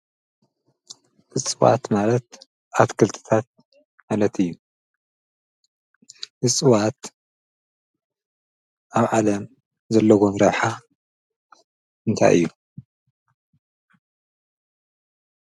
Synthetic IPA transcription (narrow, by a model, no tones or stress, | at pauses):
ʔɨsʼɨwa̰t̪malɐt̪̚ | ʔat̪kʰɨlt̪ʰɨ̥t̪ʰat̪̚ | malɐt̪ʰɨjːu | ʔɨt͡sʼɨwat̪ | ʔaβʕalɐm | zɐlːɐɡonɾɐβħa | ɨnt̪ʰa̰jʔɨ̰jːu